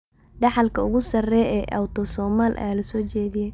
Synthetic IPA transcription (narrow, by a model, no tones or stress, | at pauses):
ɖɑħɑlkʰɐʊɣʊsɐrɛːjɛːʔɐ̰wt̪ʰɔsɔːmaːlʔɐ̰jaːlɐsɔːt͡ʃɛːðɪjɛj